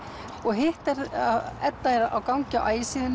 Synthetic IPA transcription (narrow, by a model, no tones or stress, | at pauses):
ɔɣɦɪht̪ɛɾaɛt̪ːaɛɾa̰wkawɲcaʔa̰ːjɪsiːðɪn